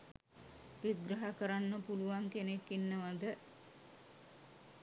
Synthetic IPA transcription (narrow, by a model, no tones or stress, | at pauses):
ʋiɡɾəɦakəɾanːəpuluʋaŋkenekːinːəʋad̪ə